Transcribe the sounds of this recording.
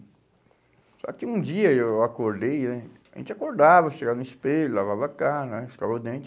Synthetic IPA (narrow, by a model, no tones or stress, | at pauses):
sɔ̰kĩũd͡ʒiɐewakoɾd̪ejnɛaʒḛ̃t͡ʃakoɾd̪avɐʃeɡavɐnispeʎulavavakanɛskalod̪ẽnt͡ʃ̪